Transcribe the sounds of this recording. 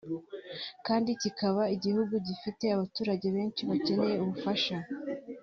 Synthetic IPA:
kaːndicikaβaiɟihuɡuɟifite̞aβatuːɾaɟe̞βe̞ːnt͡ʃiβace̞ne̞je̞uβufaʃa

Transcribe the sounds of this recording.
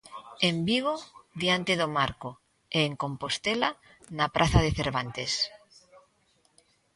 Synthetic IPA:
embiɣ̞oðjant̪eðomaɾko | eːŋkõmpost̪ela | napɾʔaθaðeθeɾβ̞ant̪es

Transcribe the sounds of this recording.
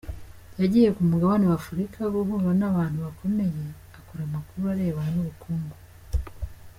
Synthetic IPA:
jaɟiːje̞kumuɡaβaniwafuɾikʰaɡuɦuβanaβaːn̥huβakʰo̞me̞je̞ | akoɾamakuɾuaɾe̞ːβaanuβukuːmbo

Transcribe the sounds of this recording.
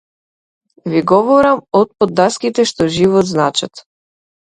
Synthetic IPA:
viɡɔvɔɾamɔt̪̚pɔd̪ːaskit̪ɛʃt̪ɔʒivɔt̪znat͡ʃat̪

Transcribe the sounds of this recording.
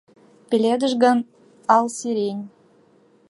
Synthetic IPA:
pʲelʲed̪ə̆ʒɣɑn | ɑlsiɾenʲ

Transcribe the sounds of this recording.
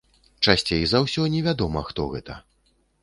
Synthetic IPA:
t͡ʂasʲt͡sʲejzawsʲɔnʲɛvʲad̪ɔmɐxt̪ɔɣɛt̪ɐ̰

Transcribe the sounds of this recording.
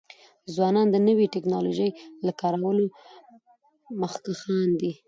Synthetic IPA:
zwɑnɑnd̪ənəwiʈɪknɑloʒəjlakɑɾawəlo | məxkaxɑnd̪i

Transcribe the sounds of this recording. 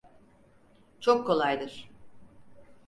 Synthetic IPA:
t͡ʃʰokʰːo̞lˠajd̪ɯɾ̥

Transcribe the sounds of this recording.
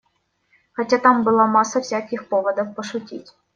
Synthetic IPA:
xɐtʲat̪ɑmbɨlˠamɑsəfsʲakʲɪxpovəd̪ɔfpəʂʊtʲḭtʲ

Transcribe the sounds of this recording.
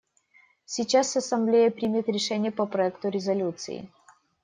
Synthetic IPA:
sʲit͡ɕasɐsɐmblʲejəpɾʲimʲɪt̪ɾʲɪʂɛnʲɪjəpəpɾɐɛkt̪ʊɾʲɪzɐlʲut̪sɨ̰ɪ̰

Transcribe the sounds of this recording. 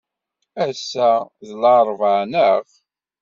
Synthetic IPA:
æsːæðəlaɾˤvəʕnəʁ

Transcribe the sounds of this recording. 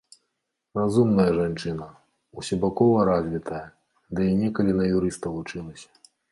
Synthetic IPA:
razumnɐjɐʐant͡ʂɨnɐ | usʲɔbakɔvɐɾazʲvʲit̪ʰɐjɐ | d̪ɨinʲɛkɐlʲinɐjuɾɨst̪ɐlˠut͡ʂɨlˠɐsʲɐ̥

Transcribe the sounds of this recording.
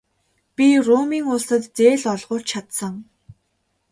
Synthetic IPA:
pʲirʊmiːŋʊɮt̪ə̆t̪t͡seːɮɔɮʁʊːt͡ɕt͡ɕt͡ɕʰat̪sə̆ŋ

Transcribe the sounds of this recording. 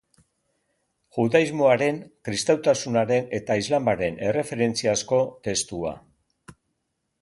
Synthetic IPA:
ʝuðaizmo̞aɾe̞ŋkɾist̪awt̪asunaɾe̞ne̞t̪aizlambaɾe̞ne̞re̞fe̞ɾe̞nt͡siasko̞t̪e̞st̪ua̰

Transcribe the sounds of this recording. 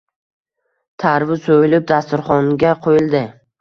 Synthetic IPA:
t̪ʰaɾvɪsojɪlɪp̚d̪ast̪ʊɾχɒŋɡʲaqʰojɪld̪ɪ

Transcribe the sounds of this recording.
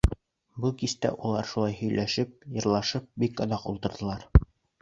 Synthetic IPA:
bukist̪æ̰ʔulˠɑɾʃulˠɑjhɵ̆jlæʃɘp̚jɤ̆ɾlˠɑʃɤp̚bikɤ̆ðɑqṵlˠt̪ɤ̆ɾd̪ɤ̆lˠɑɾ

